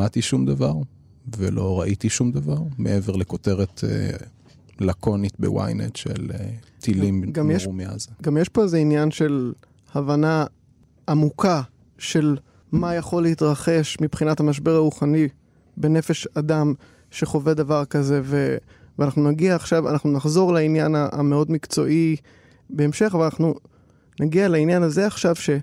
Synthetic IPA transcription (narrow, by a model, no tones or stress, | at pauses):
at̪iʃumd̪avaʁ | vḛlʔo̞ʁaʔit̪iʃumd̪avaʁmeʔeveʁlekot̪e̞ʁet̪ʰḛ | lakʰo̞nit̪bḛwa̰jnḛt̪ʃḛlet̪ʰilimɡamjeumea̰zeɡamjeʃpo̞ezeinjanʃe̞l | havana | ʔːmukʰa | ʃe̞l | majaχo̞lːeitʁaχe̞ʃmipχinathamaʃ̬be̞ʁauχani | be̞ne̞fe̞ʃadam | ʃe̞χo̞ve̞davaʁkaze̞ve | veanaχnunaɡiaːχʃava̰naχnunaχzo̞ʁlainjanaʔa̰meo̞dmikt͡so̞̰ʔi | be̞ːmʃe̞χvlanaχnu | naɡialainjanaze̞aχʃavʃe̞